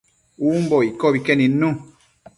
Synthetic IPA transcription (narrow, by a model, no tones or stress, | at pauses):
umbɔikɔbikɛninũ